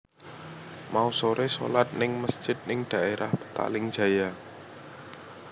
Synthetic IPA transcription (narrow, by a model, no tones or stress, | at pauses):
mausoɾeso̰lat̪̚nɪŋməsd̥ʒ̥ɪt̪̚nɪŋɖ̪̥a̤ʔeɾahb̥ə̥t̪a̰lɪŋd̥ʒ̥ä̤ja